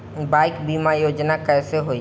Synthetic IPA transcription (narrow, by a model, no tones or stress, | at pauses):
baːɪkbiːmajoːd͡ʒnakɛːseɦoi